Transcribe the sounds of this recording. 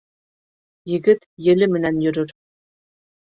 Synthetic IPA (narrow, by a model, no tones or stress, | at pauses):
jɘɣɘ̆t̪jɘ̆lʲɘ̆mɘ̆nænjyɾɘ̆r